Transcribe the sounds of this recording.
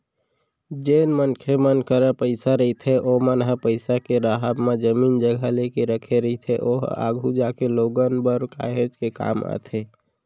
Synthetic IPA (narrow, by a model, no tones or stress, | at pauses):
d͡ʒeːnmənkʰemənkəɾəpəɪsaɾəit̪ʰeʔomənɦəpəɪsakeɾaɦəbmed͡ʒəmiːnd͡ʒəɡʱalekeɾəkʰeɾəit̪ʰeʔoɦa̰ːɡʱud͡ʒakeloɡənbəɾka̰ɦed͡ʒkeka̰ːma̰t̪ʰe